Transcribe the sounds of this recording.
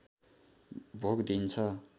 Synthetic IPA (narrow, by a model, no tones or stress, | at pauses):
bʱokd̪int͡sʰʌ